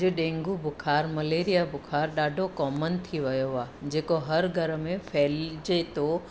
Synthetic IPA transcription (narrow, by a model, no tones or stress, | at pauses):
eɗẽːŋɡubʱʊkʰaːɾmɐleːɾijabʱʊkʰaːɾɗaːɖʱokɔːmənt̪ʰiʋɐjoʋaːd͡ʑeːkoɦɐɾɡʱɐɾmẽfʰɛːld͡ʒet̪o